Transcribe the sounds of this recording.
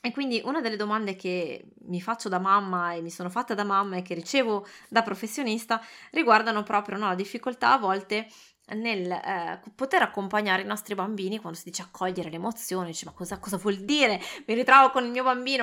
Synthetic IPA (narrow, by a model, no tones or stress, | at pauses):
ekːwind̪iʔunad̪elːed̪omand̪ek̟e | mːifat͡ʃːod̪amamːaemːisoːnofat̪ːed̪amamːaek̟ːerit͡ʃeːvod̪apɾofesːjonist̪ariɡward̪anopɾʔɔːpɾjonɔlad̪ifːikolt̪a̰ːvːɔlt̪e | nelpot̪eɾakːompaɲːaːɾeinɔst̪ɾibambiːnikwand̪osid̪iːt͡ʃeakʰːɔʎːeɾelemot̪sːjoːnid̪iːt͡ʃemakːɔzakɔzavwɔld̪iːɾemiɾit̪ɾɔːvokonilmiːobambiːno